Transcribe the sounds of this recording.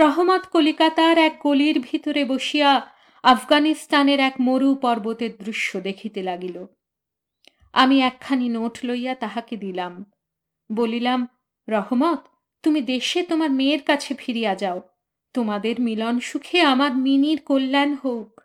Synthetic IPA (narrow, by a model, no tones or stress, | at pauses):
ɾɔɦomɔt̪kolikat̪aɾɛk̚ɡoliɾbʱit̪oɾeboʃija | afɡanisʈaneɾɛkmoɾupɔɾbot̪eɾd̪ɾuʃːod̪ekʰit̪elaɡilo | amiɛkʰːaninoʈloijat̪aɦaked̪ilam | bolilam | ɾɔɦomɔt̪ː | umid̪eʃet̪omaɾmeɾkat͡ɕʰefʰiɾijad͡ʑao | t̪omad̪eɾmilɔnʃukʰeamaɾminiɾkolːɛnɦowk